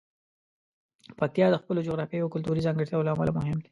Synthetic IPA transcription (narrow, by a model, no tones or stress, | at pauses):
pak̚t̪ijɑd̪əxpəlod͡ʒoɣɾɑfjejakʊlt̪uɾizɑŋɡəɾt̪jawəloamalamʊɦɪmd̪i̥